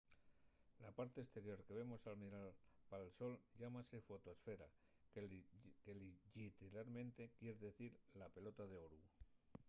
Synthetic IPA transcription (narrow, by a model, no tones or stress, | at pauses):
lapaɾt̪e̞est̪e̞ɾjo̞ɾke̞β̞emo̞salmiɾalpaalso̞lʎamase̞fo̞t̪oesfe̞ɾa̰ | keliʝit̪elaɾmẽ̞nt̪e̞kjeɾeðe̞θiɾlape̞lo̞t̪aðe̞oɾu